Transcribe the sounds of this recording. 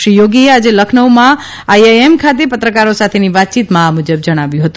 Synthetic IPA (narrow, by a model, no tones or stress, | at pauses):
ʃijoɡiead͡ʒeləkʰnəwmã | ajaemkʰat̪̬epət̪ɾəkaɾosat̪ʰeniʋat̪̚t͡ʃit̪mãamud͡ʒəb̚d͡ʒəɽ̃aʋjũɦət̪u